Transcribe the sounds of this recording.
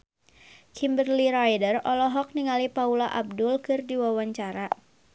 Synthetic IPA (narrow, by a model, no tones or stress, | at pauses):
kʰimbərliɾajdərɔlɔɦɔk̚niŋalipaulaʔab̚dʊlkɨrdiwawaɲt͡ʃaɾa